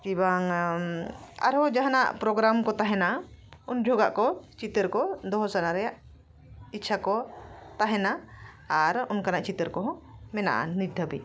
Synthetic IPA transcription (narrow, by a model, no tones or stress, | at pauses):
kibaŋ | a̰ɾɔd͡ʒaɦana̰ʔpɾɔɡɾamkɔt̪aɦɛnaund͡ʒʱɔɡaʔkɔt͡ʃit̪əɾkɔd̪ɔɦɔsanaɾɛjaʔ | itːt͡ʃʰakɔt̪aɦɛna | aɾunkanaʔt͡ʃit̪əɾkɔɦɔ̃mɛna̰ʔa̰nid̪ʱabi